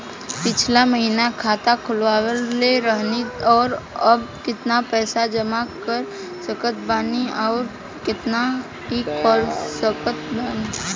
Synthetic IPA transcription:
pɪt͡ʃʰlaməɦinakʰaːt̪akʰʊlʋaːwəleɾəɦnit̪ɔːɾəb̚kɪt̪napɛːsad͡ʒəmakəɾ | səkət̪̚baːniɔːɾ | kɪt̪na | ɦikɔːlsəkət̪̚baːni

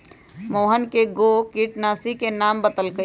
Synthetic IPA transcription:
moːɦənkeɡoːkiːʈnaːsikenaːmbət̪əlkə

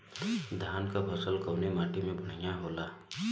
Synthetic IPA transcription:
d̪ʱankabʰʱʌsəlkɔwnemaʈimẽbʱəɳ̤ijaɦola

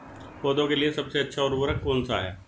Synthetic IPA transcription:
poːd̪õkeliesɐbseɐtːʃʰaʊɾʋəɾəkoːnsa̰ɦɛ̰ː

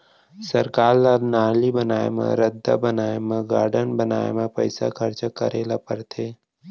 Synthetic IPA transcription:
səɾkaːɾlaɾnaːlibənaːḛmḛ̃ɾəd̪ʱːa̰bənaːemẽɡaːɾɖənbəna̰ːḛmẽpə̰ɪsa̰kʰəɾt͡ʃakəɾeːlapəɾt̪ʰeː

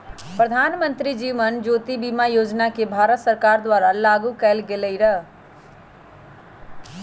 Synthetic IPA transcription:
pɾəd̪ʱanmə̃nt̪ɾid͡ʒiʋənd͡ʒoːt̪ibimajoːd͡ʒnakebʱaɾət̪səɾkaɾd̪waːɾalaɡukɛːlɡeləiɾəɦ

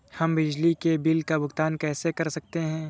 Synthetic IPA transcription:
hɐmbɪd͡ʒlikebɪlkabʊɡt̪aːnkɛːsekɐɾsɐk̚t̪eɦɛ̃ː

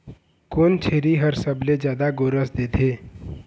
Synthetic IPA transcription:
kont͡ʃʰeɾiɦəɾsəbled͡ʒjad̪aɡoɾəsd̪et̪ʰe

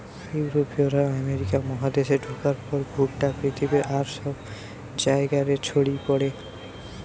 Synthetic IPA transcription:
uwɾopioɾaameɾikamɔɦad̪eʃeɖʱukaɾpɔɾbʱuʈʈapɾit̪ʰibeʔaɾʃɔb | d͡ʑaeɡaɾet͡ɕʰoɽipɔɽe

